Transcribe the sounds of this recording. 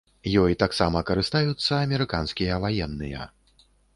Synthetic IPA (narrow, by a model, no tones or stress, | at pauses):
jɔjt̪aksamɐkɐɾɨst̪ajut̪sːɐːmʲɛɾɨkanskʲijɐvajɛnːɨ̰jɐ̰